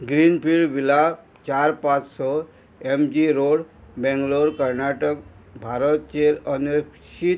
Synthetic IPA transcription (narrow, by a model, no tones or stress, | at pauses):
ɡɾinpiɭɖʋila | t͡ɕaɾpat͡ssɔ | emd͡ʑiɾoɽbɛ̃ŋɡloɾkəɾnaʈəkbʱaɾət̪̚t͡ɕeləne | ɕit̪